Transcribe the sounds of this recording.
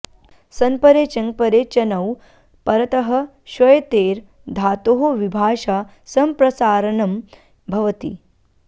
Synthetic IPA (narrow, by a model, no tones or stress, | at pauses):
sɐnpɐɾeːt͡ʃɐŋɡ̚pɐɾeːt͡ʃɐnɐw | pɐɾɐt̪ɐɦɐ̆ | ʃɐjt̪eːɾ | d̪ʱaːt̪oɦoʋibʱaːʃa | sɐmpɾɐsaːɾɐnɐm | bʱɐʋɐt̪ḭ